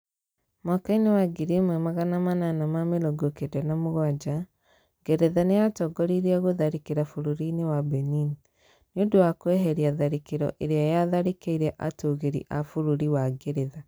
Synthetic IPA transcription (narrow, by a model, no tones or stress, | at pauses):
makainewaɡiɾimwɛmaɣanamananamameloɡokedɛnamoɣwad͡ʒa | ɡɛɾeðanejatɔɡɔɾiɾeɔɣoðaɾekeɾafuɾuɾinewabɛnini | nodowakwɛɦɛɾiaðaɾekeɾɔ̰ʔeɾeajaðaɾekeiɾɛʔatoɣeɾḭʔafuɾuɾiwaɡeɾeða